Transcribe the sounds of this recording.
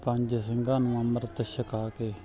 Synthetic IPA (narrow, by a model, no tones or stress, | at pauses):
pəɲd͡ʒsəŋɡãːnũːəməɾt̪əʃəkaːkeː